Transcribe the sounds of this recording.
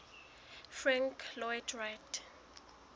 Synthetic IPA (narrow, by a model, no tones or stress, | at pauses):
frãŋkʰlɔɛtʰrajt